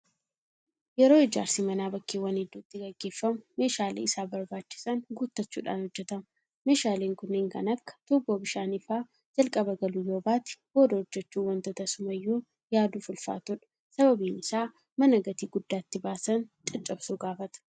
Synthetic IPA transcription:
jɛɾo̞ːɪd͡ʒa̰ːɾsiːmɐnaːbɐkːewɐnɪd̪ːuːt̪ːɪɡɐɡːe̞ːfːɐmʊme̞ːʃaːlḛːɪsaːbɐɾbaːt͡ʃːɪ̥sɐŋɡuːt̪ːɐt͡ʃːṵːᶑa̰ːnhɔd͡ʒːɛt̪ɐm | me̞ːʃaːleːŋkʊnːeːŋkɐ̰nɐkːɐ̥t̪uːboːbɪʃaːnifaː | d͡ʒɐlkʼɐbɐɡɐlujoːbaːt̪ɪ̥bo̞ːd̪ɐhɔd͡ʒːɛt͡ʃːuːwɐnt̪ɐt̪ɐsʊmɐjːuː | jaːd̪uːfʊlfa̰ːt̪ʊᶑɐ̥ | sɐβɐbiːnɪsaː | mɐnɐɡɐt̪iːɡʊd̪ːaːt̪ːɪbaːsɐnt͡ʃʼɪt͡ʃʼːɐbsuːɡaːfɐt̪ɐ̥

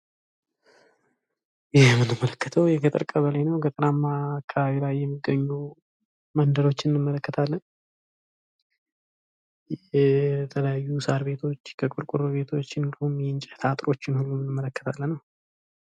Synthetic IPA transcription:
jɪhmɨnːɨmːələkːət̪ʰəwjɛkʰət̪ʼɨ̰ɾkʼəβəlajnəwɡət̪ʼɾamːaːkʰːaβaβilajːɛmːiɡːəɲːu | mənd̪əɾo̞t͡ʃːɪnɨnɨmːələkːət̪ʰalːən | jɛɛt̪ʰələjajːusaɾβe̞t̪ʰo̞t͡ʃːkʰəkʼuɾkʼuɾβe̞t̪ʰo̞t͡ʃːɨnd̪əhumjɛɨnt͡ʃʼɛt̪ʰat̪ʼɾo̞t͡ʃːɪnhulːumɨnːɨmːələkːə̥t̪ʰalːənːəw

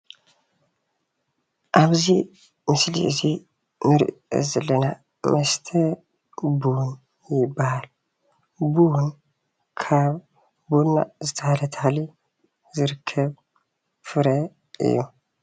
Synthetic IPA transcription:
ʔaβzi | mɨslḭʔɨzi | nɨɾʔɨ̰zɐlːɐna | mɐst̪ʰɐ | bun | jɪbːahal | bun | kʰaβ | buna̰zɨt̪ʰɐhalɐt̪ʰɐhali | zɨɾɨkʰːɐβ | fɨɾɐ | ʔɨ̰jːu

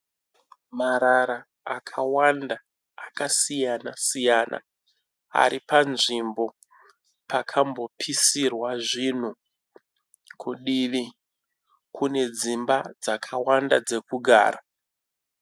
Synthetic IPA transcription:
maɾaɾaː | kʰawandaː | kasijanasijana̰ | a̰ɾipanʐimbo̞ | pakʰambo̞pʰisirwaʐin̤u | kʰuɗiʋi | kʰune̞d͡zimbad͡zakʰawandad͡ze̞kuɡʱa̰ːra

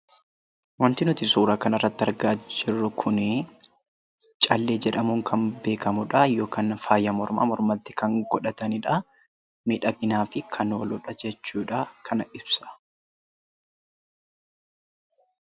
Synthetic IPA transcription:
wɐnt̪ɪnʊt̪ɪsuːɾaːkɐnɐrːɐt̪ːɪɐɾɡaːd͡ʒɪrːʊkʰʊnɪ | t͡ʃʼɐlːe̞ːd͡ʒɛᶑɐmuːŋkʰɐnbe̞ːkɐmʊᶑɐjo̞ːkaːnfaːjːɐmɔɾma̰ːmɔɾmɐt̪ːɪ̥kɐŋɡɔᶑɐt̪ɐnɪᶑɐ | mɪᶑɐkʼɪnaːfɪkʰɐnoːlʊᶑɐd͡ʒɛt͡ʃːuːᶑɐkʰɐnɐʔɪbsɐ̥

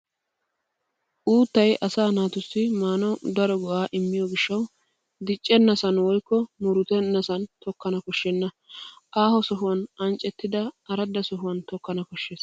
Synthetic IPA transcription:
ʔuːt̪ːɐjʔɐsaːnaːt̪ʊsːɪmaːnɐwd̪ɐɾɔɡɔʔaːʔɪmːɪjɔɡɪʃːɐw | d̪ɪt͡ʃʼːɛnːɐsɐnwɔjkːɔmʊɾʊt̪ɛnːɐsɐnt̪ɔkːɐnɐkɔʃːɛnːɐ | ʔaːhɔsɔɦʊwɐnʔɐnt͡ʃʼːɛt̪ːɪd̪ɐɐɾɐd̪ːɐsɔɦʊwɐnt̪ɔkːɐnɐkɔʃːeːs

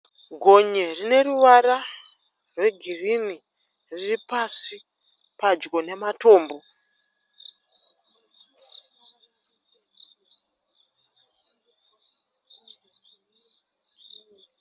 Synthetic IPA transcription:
ɡʱo̞ɲerine̞ɾuʋaɾa | rwe̞ɡʱirini | riripasi | pad͡ʒɡo̞ne̞mato̞ːmbo̞

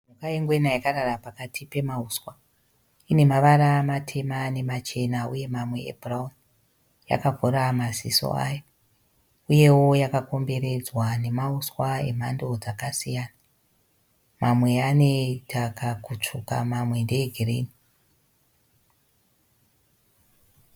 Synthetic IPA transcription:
mukaeŋɡwenajakaɾarapakatʰipe̞mauswa | ine̞maʋaɾamatʰe̞mane̞mat͡ʃe̞nauje̞mamwe̞ḛbraun | ja̰kavʱoɾamasiso̰a̰ja | uje̞wo̞jakako̞mbe̞ɾe̞d͡zwane̞mauswae̞̰m̤ando̞d͡zakasijaːna | mamwe̞ane̞tʰakakut͡ʂuka̰mamwe̞nde̞ːɡʱerḛːni

